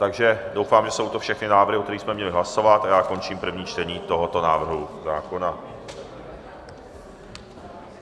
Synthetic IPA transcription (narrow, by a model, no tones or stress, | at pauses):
t̪aɡʒɛdo̞wfaːmʒɛso̞wt̪ofʃɛxnɪnaːvr̩ɦɪʔokt̪ɛɾiːsmɛmɲɛlɪɦlaso̞vat̪ʔajaːko̞nt͡ʃiːmpr̩vɲiːt͡ʃt̪ɛɲiːt̪o̞ɦot̪o̞naːvr̩ɦuzaːko̞na